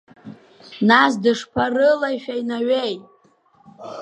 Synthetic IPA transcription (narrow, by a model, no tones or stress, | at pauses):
nas̬dɨʂpʰarɨlajʃᶣainaɥejtʼ